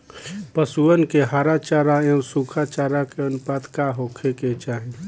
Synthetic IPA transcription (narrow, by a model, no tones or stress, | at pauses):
pəsuənkeɦaːɾat͡ʃaːɾaẽsukʰat͡ʃaːɾakeɐnʊpaːd̪kaːɦokʰeket͡ʃaːɦẽ